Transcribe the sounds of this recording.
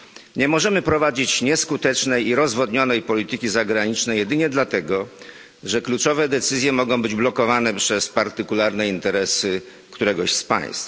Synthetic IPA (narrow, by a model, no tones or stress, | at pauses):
ɲɛmɔʐɛmɘpɾɔvad͡ʑit͡ɕɲɛskut̪ɛt͡ʂnɛjiɾɔzvɔd̪ɲɔnɛjpɔlʲit̪ɘkʲizaɡɾaɲit͡ʂnɛjɛd̪ɘɲɛd̪lat̪ɛɡɔ | ʐɛklut͡ʂɔvɛd̪ɛt̪sɘzʲjɛmɔɡɔ̃w̃bɘd͡ʑblɔkɔvanɛpʂɛspaɾt̪ɘkulaɾnɛint̪ɛɾɛsɘ | kt̪uɾɛɡɔɕspa̰j̃st̪